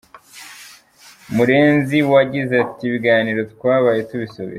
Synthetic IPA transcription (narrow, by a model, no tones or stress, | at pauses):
muɾe̞ːnziwaɟizeatiβiɡaːniɾo̞tkwaːβaje̞tuβisoβḭɾ